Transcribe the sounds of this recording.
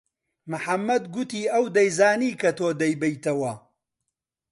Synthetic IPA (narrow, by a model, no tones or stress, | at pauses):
mɨħɐmːɐd̪ɡʊt̪iːɐwd̪ɐjzaːniːkɐt̪oːd̪ɐjbɐjt̪ɐwɐ